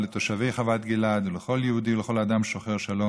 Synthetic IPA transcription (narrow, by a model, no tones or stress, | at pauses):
let̪oʃavejχavat̪ɡilad̪uleχo̞ljehud̪ileχo̞lad̪amʃoχeʁʃalo